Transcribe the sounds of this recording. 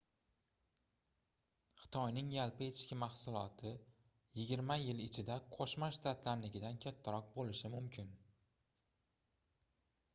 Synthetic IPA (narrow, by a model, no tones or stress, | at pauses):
χɨ̥t̪ʰɒjnɪŋjalˠpɪe̞t̪ʰɪ̥ʃkʲɪmɑχsʊlˠɒt̪ʰɪ | jɪɡʲɪɾmajɪlɪt͡ʃʰɪd̪aqʰɒʃmaʃt̪at̪ʰlaɾlɪɡʲɪd̪ankʲʰat̪ʰːaɾɒq̚bolɪʃɪmʊmkʲʰɪn